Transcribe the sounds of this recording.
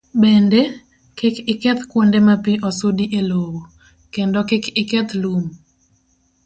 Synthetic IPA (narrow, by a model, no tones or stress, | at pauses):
bende | kɛkɪkɛt̪kwondemapiʔɔsodiʔelowo | kendɔkɛkɪkɛt̪lum